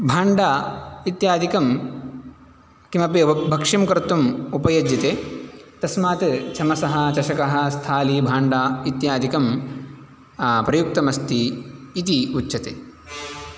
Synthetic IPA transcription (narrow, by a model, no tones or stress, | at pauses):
bʱaːɳɖaːit̪jaːd̪ʱikɐm | kimɐpibʱɐkʂimkɐɾt̪umupɐjɐd͡ʒjɐt̪eːt̪ɐsmaːt̪t͡ʃʰɐmɐsɐɦɐ̆t͡ʃɐʃɐkɐɦɐ̆st̪ʰaːlibʱaːɳɖaːit̪jaːd̪ʱikɐm | pɾɐjuk̚t̪ɐmɐst̪iit̪iutːʃʰɐt̪eː